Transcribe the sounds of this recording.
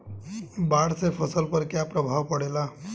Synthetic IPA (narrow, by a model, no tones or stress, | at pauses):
baɽsepʰəsəlpəɾkjapɾəbʱaʋpəɽela